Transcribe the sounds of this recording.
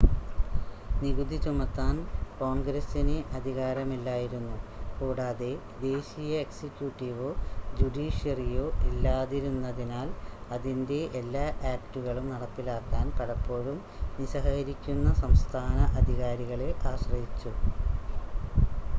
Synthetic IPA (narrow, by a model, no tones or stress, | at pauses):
niɣud̪ʱit͡ɕumɐt̪ːaːnko̞ːɳɡɾɐsineʔɐd̪ʱiɣaːɾɐmilːaːjiɾunːukuːɽaːðe̞ | d̪e̞ːɕijɐeksikʲjuːʈːiʋod͡ʑuɖiːɕjɐrijo̞ːʔilːaːðiɾunːɐðinaːlɐðinde̞ʔːlːaːʔaːptuɣɐɭumnɐɽɐpːilaːkːaːnpɐɽɐpːo̞ːɻum | niɕɐɦɐɐɾikʲːunːɐsɐmst̪ʰaːnɐʔɐd̪ʱiɣaːɾiɣɐɭilʔaːɕrɐjit͡ɕːu